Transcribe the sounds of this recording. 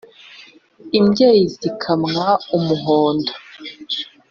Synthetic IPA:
imɟeːjizikʰamŋaumuɦoːndo

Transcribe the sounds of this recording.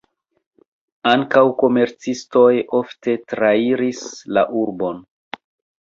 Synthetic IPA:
aŋkawko̞me̞ɾt͡sisto̞jo̞fte̞tɾaiɾisla̰ʔuɾbo̞n

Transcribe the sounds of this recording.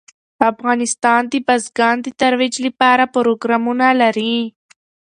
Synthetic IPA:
afɣɑnɪst̪ɑnd̪ibazɡɑnd̪ət̪aɾwid͡ʒlipɑɾapʊɾoɡɾɑmunalaɾi

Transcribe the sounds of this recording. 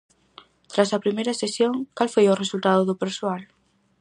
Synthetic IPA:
t̪ɾasapɾimeɾasesjõŋkalfwojoresult̪aðoðopeɾsoal

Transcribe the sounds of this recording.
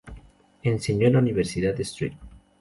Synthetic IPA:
enseɲolauniβeɾsiðaðd̪est̪ɾḭt̪

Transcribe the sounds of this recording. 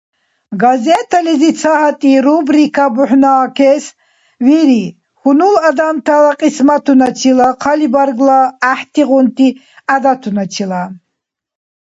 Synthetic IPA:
ɡazɛt̪ʰalizit͡sʰaɦat̪ʼiɾubɾikʰabuħnaːkʰɛs | viɾi | xunulad̪amt̪ʰalaqʼismat̪ʰunat͡ʃʰilaqʰalibaɾɡlaːħt̪ʰiʁɔnt̪ʰi | ad̪at̪ʰunat͡ʃʰila

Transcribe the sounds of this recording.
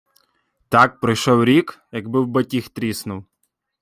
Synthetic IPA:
t̪ɑk̚pɾɪjʃɔwɾʲikjɐɡbɪwbɐtʲixt̪ɾʲisnʊw

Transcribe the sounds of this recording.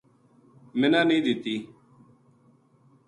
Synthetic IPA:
mɪnãːnĩːd̪ɪt̪iː

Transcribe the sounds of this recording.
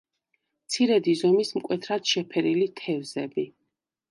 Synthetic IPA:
mt̪sʰiɾɛd̪izɔmismkʼwɛt̪ʰɾad̪̥ʃɛpʰɛɾilit̪ʰɛvzɛbi

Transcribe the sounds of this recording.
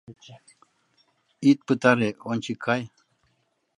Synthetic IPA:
it̪̚pɨt̪aɾeonʲt͡ɕikʰaj

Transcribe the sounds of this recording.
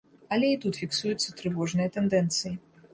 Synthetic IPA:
ɐlʲɛit̪ut̪fʲiksujut̪sːɐt̪ɾɨvɔʐnɨjɐt̪ɛnd̪ɛnt̪sɨji

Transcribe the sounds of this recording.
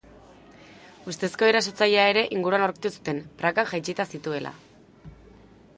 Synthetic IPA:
ust̪e̞sko̞eɾaso̞t͡saʎeae̞ɾe̞ʔiŋɡuɾuanoɾkt̪usu̥t̪e̞npɾakaŋʝajt͡ʃit̪asit̪ue̞lʔa̰

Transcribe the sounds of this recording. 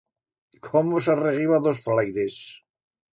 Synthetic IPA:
kʰomosareɣiβaðosflajðes

